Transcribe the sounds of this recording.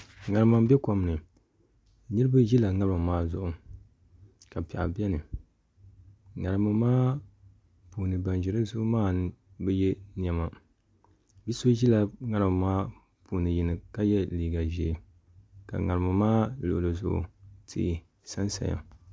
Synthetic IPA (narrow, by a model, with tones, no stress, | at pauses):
ŋa˨ɾɨ˨ma˨m˦bɛ˦ka˨m˨nɨ˨ | nɨ˦ɾɨ˦ba˦ʒi˦la˨ŋa˦ɾɨ˦ma˨maː˦zʊ˦ʔʊ˨ | ka˨pi˨ʔa̰˨bɛ˦nɨ˨ | ŋa˨ɾɨ˨ma˨maː˦ | puː˨nɨ˨ba˨nʒɪ˨ɾɨ˦zʊ˦ʔʊ˦maː˦n˦bɛ˦jɛ˦ni˨ɛ˨ma˨ | bi˦so˦ʒi˦la˨ŋa˨˦ɾɨ˦ma˨maː˦ | puː˨nɨ˨ji˨nɨ˨ka˦jɛ˦liː˨ɡa˨ʒɛ˨ | ka̰˨ŋa˨ɾɨ˨ma˨maː˦lo̰˨ʔlɨ˨zʊ̰˦˨ʔʊ̰˨tʰḭ˦˨ | sa˦nsa̰˨ja̰˨